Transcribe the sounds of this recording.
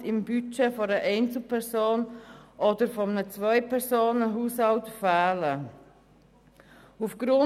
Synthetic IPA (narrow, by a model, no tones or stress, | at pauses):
ɪmbyt͡ʃɛfɔɾəʔɛɪnt͡sl̩pʰɛɾsoːnʔɔdəɾfɔmnət͡svœʏpʰɛɾsoːnəɦuːshɑltfæːlə | ufɡ̥ɾʊ